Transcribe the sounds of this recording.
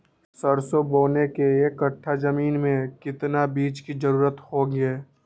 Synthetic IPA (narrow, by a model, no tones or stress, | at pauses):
sɐɾsoboːnekeekːəʈʰːazɐmiːnmẽkɪt̪nabiːt͡ʃkid͡ʒɐɾuːɾət̪hoːŋeː